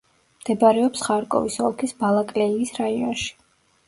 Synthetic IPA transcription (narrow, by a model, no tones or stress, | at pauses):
md̪̥ɛbɾɛɔpsχaɾkʼɔ̰visɔlˠkʰisbalˠakʼlɛiːsɾaiɔ̰nʃi̥